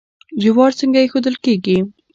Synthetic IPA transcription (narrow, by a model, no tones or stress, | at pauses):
d͡ʒɪwɑɾt͡səŋɡajexod̪əlkeɡi